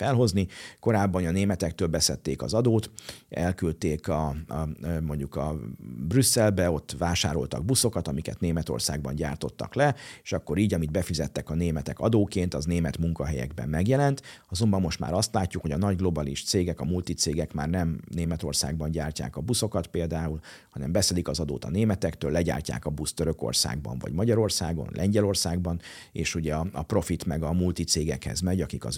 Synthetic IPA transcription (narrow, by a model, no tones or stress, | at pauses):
fɛlɦo̞zniko̞ɾaːbːɒnɒneːmɛt̪ɛk̚t̪øːlbɛsɛt̪ːeːkɒ̰zɒd̪oːt̪ɛ̰lkylt̪eːkɒ | mo̞ɲɟukɒ̰brysːɛlbɛo̞t̪ːʋaːʃa̰ːɾo̞̰lt̪ɒ̰ɡ̚buso̞kɒt̪ɒmikɛ̰t̪neːmɛt̪o̞̰rsa̰ːɡ̚bɒ̰ɲɟa̰ːrt̪o̞̰t̪ːɒ̰klɛeːʃɒkːo̞ɾiːɟɒmid̪̚bɛfizɛt̪ːɛkɒneːmɛt̪ɛkɒd̪oːkeːnt̪ɒzneːmɛt̪muŋkɒɦɛjɛ̰ɡbɛ̰mːɛɡjɛlɛnt̪ɒzo̞mbɒmːo̞ʃt̪ma̰ːɾɒst̪laːcːukho̞ɟɒnɒɟɡlo̞baliʃt̪seːɡɛkɒmult̪it̪seːɡɛkmaːrnɛmneːmɛt̪o̞rsa̰ːɡ̚bɒɲɟaːrca̰ːkɒbuso̞kɒt̪peːld̪aːul | hɒnɛmbɛsɛlikɒzɒd̪o̰ːt̪ɒ̰neːmɛt̪ɛkt̪øːlːɛɟa̰ːrca̰ːkɒbust̪øɾø̞ko̰rsa̰ːɡbɒ̰ɱvɒ̰ɟmɒɟɒɾo̞rsa̰ːɡo̞̰nlɛɲɟɛlo̞rsaːɡbɒn | ḛːʃuɟɛɒɒpro̞fit̪mɛɡɒmult̪it̪seːɡɛkhɛ̰zmɛɟɒkikɒ̰z